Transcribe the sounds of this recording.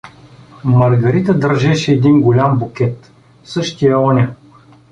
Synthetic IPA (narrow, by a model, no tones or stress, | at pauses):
mɐɾɡɐɾit̪əd̪əɾʒɛʃɛːd̪inɡolʲambokʲɛt̪ | sɤʃt̪ijəɔnʲə